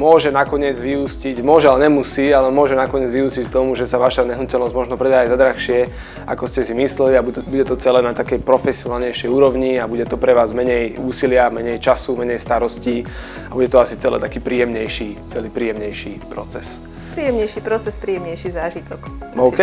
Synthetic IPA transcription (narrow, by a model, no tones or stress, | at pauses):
mʊɔʒɛnakɔɲɪɛd͡zʋiusciɟmʊɔʒɛalɛɲɛmusiːalɛmʊɔʒɛnakɔɲɪɛd͡zʋiuːscick̚t̪ɔmuʒɛsaʋaʃaɲɛɦnucɛlnɔzɟmɔʒnɔpɾɛd̪aazad̪ɾaxʃɪɛ | a̰kɔscɛsimislɛliaubuɟɛt̪ɔt͡sɛlɛːnat̪akɛjpɾɔfɛsiɔnaːlɲɛjʃɛjuːɾɔʊɲiabuɟɛt̪ɔpɾɛʋaːzmɛɲɛjuːsilɪamɛɲɛjt͡ʃasumɛɲɛjst̪aɾɔsciː | abuɟɛt̪ɔasit͡sɛlɛ̰ːt̪akiːpɾiːjɛmɲɛjʃit͡sɛliːpɾiːjɛmɲɛjʃipɾɔt͡sɛs | pɾiːjɛmɲɛjʃipɾɔt͡sɛspɾiːjɛmɲɛjʃizaːʒit̪ɔkɔɛ